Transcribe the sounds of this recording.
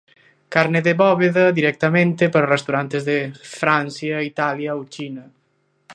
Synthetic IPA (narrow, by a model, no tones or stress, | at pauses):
kaɾneðeβɔβeðɐðiɾɛk̚t̪amẽnt̪epaɾarest̪awɾant̪ezðefɾansjait̪aljɐowt͡ʃinɐ